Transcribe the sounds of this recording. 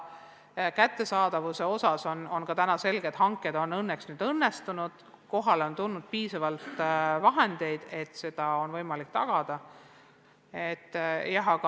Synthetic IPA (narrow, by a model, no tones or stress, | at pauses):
kæt̪ːe̞sɑːd̪ɑvuse̞o̞sɑso̞no̞nkɑt̪ænɑse̞lɡ̥ed̪̥ɦɑŋkːˑed̪̥o̞nːɤnːeksnyːd̪̥ɤnːe̞st̪unud̪̥ | ko̞ɦɑleo̞nt̪unːud̪̥̚piːsɑvɑlt̪vɑɦend̪̥e̞jd̪̥e̞t̪se̞d̪̥ɑo̞nvɤ̞jmɑlikːt̪ɑ̰ɡ̥ɑd̪̥ɑ | et̪ːjɑɦɑkɑ